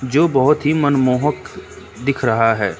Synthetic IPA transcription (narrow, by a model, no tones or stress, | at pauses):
d͡ʒoːbɐɦʊt̪ɦimɐnmoːɦək | d̪ɪkʰɾɐɦaɦɛː